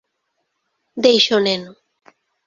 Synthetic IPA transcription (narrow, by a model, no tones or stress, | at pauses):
d̪ejʃoneno